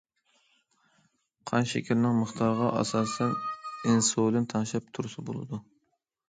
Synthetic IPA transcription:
qʰɑnʃḛkʲʰiɾnɪŋməχt̪ʰɑɾʁɑʔɑ̰sɑːsɛnɪnsolɪnt̪ʰɑnʃɛpt̪ʰuɾsɨbo̰lˠɨ̰d̪u

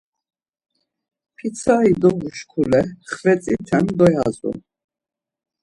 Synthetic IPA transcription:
pʰit̪t͡sʰaid̪ɔɡuʃkʰulɛχvɛt͡sʼit̪ʰɛnd̪ɔjazṵ

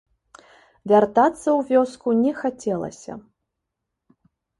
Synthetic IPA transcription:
vʲart̪at̪sːɐwvʲɔskunʲɛxat͡sʲɛlˠɐ̰sʲɐ̰

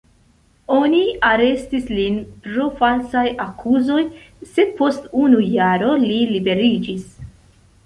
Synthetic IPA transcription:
o̞niaɾe̞stislinpɾo̞falsajakʰuzo̞j | se̞d̪̚po̞stunujaɾo̞lilibe̞ɾid͡ʒis

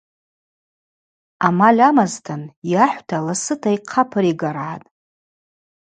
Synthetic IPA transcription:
amalʲamaztʰɨnjaħʷtʰalasɨtʰaiqʰapʰɨɾiɡaɾaatʼ

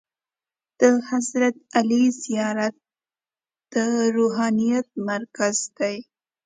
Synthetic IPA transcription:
d̪̥əhazɾat̪̚alizijɑɾat̪̚ | d̪̥əɾoɦɑnijat̪̚maɾkazd̪̥aj

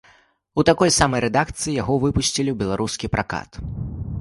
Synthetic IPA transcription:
ut̪akɔjsamɐjɾɛd̪akt̪sɨjijaɣɔvɨpusʲt͡sʲilʲiwbʲɛlˠaɾuskʲipɾʔaka̰t̪

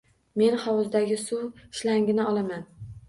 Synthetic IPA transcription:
me̞nχɒwʊzd̪aɡʲɪsʊwɪʃlaŋɡʲɪnɪɒlaman

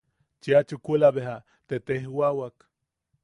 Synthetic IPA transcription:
t͡ʃiat͡ʃukʷulaβeɦa | t̪et̪ehwawak

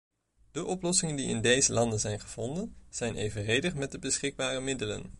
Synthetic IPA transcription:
d̥əʔɔplɔsɪŋəndiɪ̰ndejzəlɑndənzɛjnχəv̥ɔndənz̥ɛjnḛjvənrejdəχmɛt̚dəbəsχɪɡ̚baːrəmɪdələ̰n

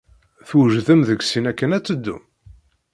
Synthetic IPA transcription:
θuʒðəmðəɡsinækːənæt͡sːəd̪ːṵm

